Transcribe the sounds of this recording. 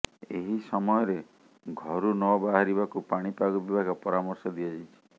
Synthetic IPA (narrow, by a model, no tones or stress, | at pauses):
eɦisɔmɔjɔɾe | ɡʱɔɾunɔbaɦaɾibakupaɽ̃ipaɡɔbibʱaɡɔpɔɾamɔɾsɔd̪iɔd͡ʒit͡ʃʰi̥